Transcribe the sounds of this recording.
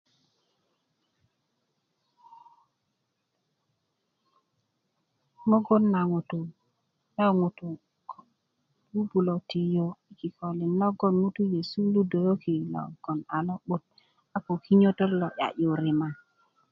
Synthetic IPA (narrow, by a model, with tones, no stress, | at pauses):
mo˦ɡo˦nːa˨ŋu˨tu˨ | ja˦ŋu˨tu˨ | k | lu˦bu˨lo˨ti˨jo˨i˦ki˨ko˨li˨nːɔ˦ɡo˦˨nŋu˦tu˦je˨su˦lu˦do˨jo˦ki˨lɔ̰˨ɡ̥ɔ˨na˨lɔ˦ɓu˦t̚ | a˦ko˨ki˦ɲo˦to˦lɔ˨ja̰˨jo˨ɾi˨ma˨